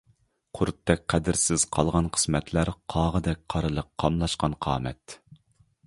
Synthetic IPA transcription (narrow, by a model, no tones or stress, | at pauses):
qʰʊɾt̪ʰːɛk̚ʲqʰæd̪ɪɾsɪz̥qʰɑlˠʁɑnqʰə̥smɛt̪ʰlæɾqʰɑːʁəd̪ɛk̚ʲqʰɑɾɨlˠəqʰːɑmlˠɑʃqɑnqʰɑ̰ːmɛ̰t̪